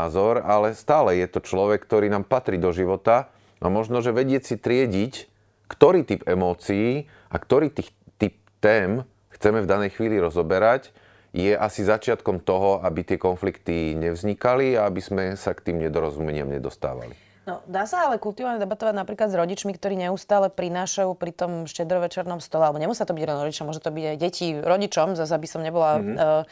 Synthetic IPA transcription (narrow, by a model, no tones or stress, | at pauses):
zɔɾalɛst̪aːlɛjɛt̪ɔt͡ʃlɔʋɛk̚ːt̪ɔɾiːnaːmpat̪ɾiːd̪ɔʒiʋɔt̪a | ʔa̰mɔʒnɔʒɛʋɛɟɪɛt͡sit̪ɾɪɛɟic | kt̪ɔɾiːt̪ipɛmɔːt͡siiː | ʔakt̪ɔɾiːt̪ix | t̪ip̚t̪ɛːm | xt͡sɛmɛvd̪anɛjxʋiːliɾɔzɔbɛɾac | jɛʔasizat͡ʃɪat̪kɔmt̪ɔɦɔabit̪ɪɛkɔnflikt̪iɲɛvzɲikaliaabizmɛsakt̪iːmɲɛd̪ɔɾɔzumɛɲɪa̰mɲɛ̰d̪ɔst̪a̰ːʋa̰lḭ | nɔd̪aːsaalɛkult̪uʋalɲɛd̪ɛbat̪ɔʋaɟnapɾiːklad̪zɾɔɟit͡ʃmikt̪ɔɾiːɲɛust̪aːlɛpɾinaːʃajupɾit̪ɔmʃcɛd̪ɾɔʋɛt͡ʃɛɾnɔmst̪ɔlɛalɛbɔɲɛmusiat̪ɔbiɟɾɔnɾɔɟit͡ʃamʊɔʒɛt̪ɔbiɟajɟɛciɾɔɟit͡ʃɔmzazabisɔmɲɛbɔla